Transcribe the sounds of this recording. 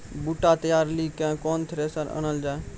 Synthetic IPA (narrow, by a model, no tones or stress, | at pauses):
buʈat̪əjaːɾlikãːkɔːnt̪ʰɾesaɾə̰ñəld͡ʒaːe